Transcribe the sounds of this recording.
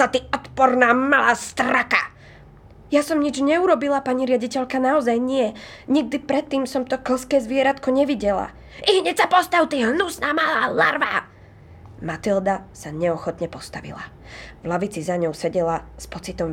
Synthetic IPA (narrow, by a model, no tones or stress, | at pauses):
sat̪iɔt̪pɔɾnaːmalaːst̪ɾaka | jasɔmɲid͡ʒɲɛuɾɔbilapaɲiɾɪaɟicɛʎkanaɔzajɲɪɛɲiɡ̚d̪ipɾɛt̪ːiːmsɔmt̪ɔkl̩skɛːzʋɪɛɾat̪kɔɲɛʋiɟɛla̰ | ʔiɦɲɛcsapɔst̪awt̪iːɦnusnaːmalaːla̰ɾʋaː | mat̪ild̪asaɲɛɔxɔt̪ɲɛpɔst̪aʋḭla̰ | vlaʋit͡sizaɲɔʊsɛɟɛlaspɔt͡sit̪ɔm